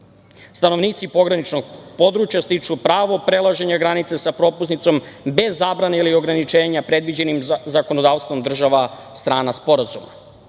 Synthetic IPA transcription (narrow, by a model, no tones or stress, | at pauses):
st̪ano̞ʋniːt̪sipo̞ɡɾanit͡ʃnoɡ̚po̞d̪ɾut͡ʃjast̪it͡ʂupɾaːʋo̞pɾe̞lˠaʒe̞ɲaɡɾanit̪sesapɾo̞pusnit̪so̞mbe̞zːaːbɾaneilio̞ɡɾanit͡ʃe̞ːɲapɾe̞d̪ʋid͡ʑe̞nimzako̞nod̪aːʋst̪ʋo̞md̪r̩ʒaʋa | st̪ɾaːnaspo̞ɾazuma̰